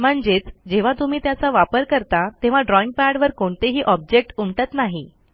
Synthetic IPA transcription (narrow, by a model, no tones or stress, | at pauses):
m̤əɳd͡ʑet͡sd͡ʑeʋ̤at̪um̤iːt̪jat͡saʋapəɾkəɾt̪at̪ẽʋ̤aɖɾɔiŋɡ̚paɽʋəɾkoɳt̪eɦiːʔɔb̚d͡ʑek̚ʈumʈ̪ət̪naɦi